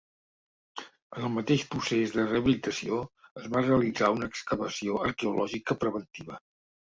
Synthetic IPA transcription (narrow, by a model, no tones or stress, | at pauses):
ənəlˠmət̪eʃpɾusezðərəəβilit̪əsioəzβareəlidd͡zaunəːkskəβəsioəɾkeulʔɔʒikəpɾəβ̞ənt̪iβə